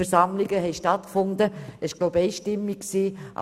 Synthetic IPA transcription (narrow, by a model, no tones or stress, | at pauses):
ɛɾsɑmlɪɡəɦɛɪʃtɑtkfʊndəɪʃɡ̥loʊbeɪʃtɪmːikksiːʔ